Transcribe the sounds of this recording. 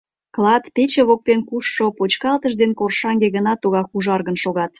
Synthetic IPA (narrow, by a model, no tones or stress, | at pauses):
klˠɑt̪pet͡ɕeβok̚t̪enkuʃːopot͡ɕkɑlt̪əʒd̪enkorʃɑŋɡeɣənɑt̪uɣɑkuʒɑrɣənʃoɣɑt̪